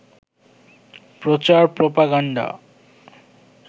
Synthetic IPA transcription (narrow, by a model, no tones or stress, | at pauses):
pɾot͡ɕaɾpɾopaɡaɳɖa̰